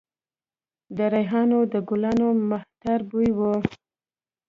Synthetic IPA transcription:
d̪əɾajɦɑnod̪əɡʊlanomaht̪aɾbujwu

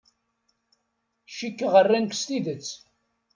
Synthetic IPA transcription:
ʃikːʁərːænkʷst̪iðət͡sː

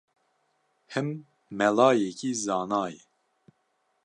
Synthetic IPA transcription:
hɨmː | ɛlɑːjɛkiːzɑːnɑːjɛ

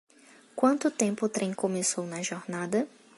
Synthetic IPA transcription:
kwɐ̃nt̪ʊt̪ẽmpʊt̪ɾẽj̃kõmesownɐʒoɾnad̪ɐ

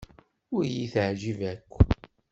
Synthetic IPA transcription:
ʊɾjiθʕʒivækʷː

